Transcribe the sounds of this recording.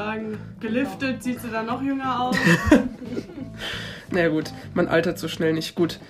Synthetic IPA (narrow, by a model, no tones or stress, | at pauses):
aːɡŋ̩ɡ̥əlʏftətz̥iːstd̥uːdanɔχjʏŋɐaʊs | najaɡuːtmanʔa̰ltɐtz̥oːʃnɛlnɪçtɡ̥uːt